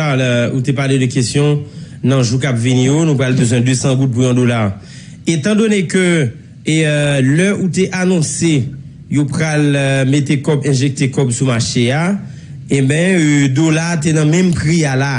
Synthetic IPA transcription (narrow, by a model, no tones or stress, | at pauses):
aut̪epaledəkestjɔ̃ | nɐ̃ʒuk̬apvinĩjonũpʁalbøzwɛ̃d̪øsɑ̃ɡut̚puɛ̃d̪olaʁ | et̪ɑ̃d̪onekø | lœuteʔanɔ̃se | jopʁalmet̪ekɔbɛ̃ʒek̚t̪ekɔbsumaʃea | ẽbɛ̃d̪olat̬enɐ̃mɛ̃mpʁiala